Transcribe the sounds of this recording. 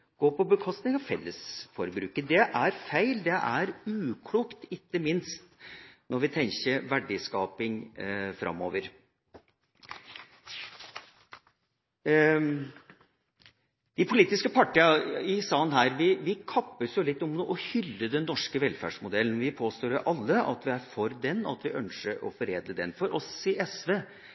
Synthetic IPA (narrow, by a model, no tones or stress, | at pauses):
ɡ̥oːpʰɔbəkʰɔst̪nɪŋɑfɛlːəsfɔɾbɾʉ̰ːkəd̪ɛʔæɾfæɪld̪ɛʔæɾʉːkʰluːkt̪ɪkːəmɪnst̪nɔɾʋɪt̪ʰɛŋɕəɾʋæɖɪskɑːpɪŋfɾʔɑ̰mːo̰ːʋəɾ | d̪̥ɪpʰʊliːt̪ɪskəpʰɑʈːɪːɑɪsɑːnɦæːɾʋɪʋɪkʰɑpːəsjʊlɪt̪ːɔmuʔɔhʏlːəd̪ɛnːɔʂkəʋɛlfæ̰ːɖʂmʊd̪ɛlːən̩ʋɪpʰoːst̪oːɾʔɑlːəɑ̰t̪ʋɪæɾfɔɾd̪ɛnːɑ̰t̪ʋɪʔœnʂəɾɔ̰fɔɾeːd̪ləd̪ɛnfɔɾʔɔsɪʔɛsʋeː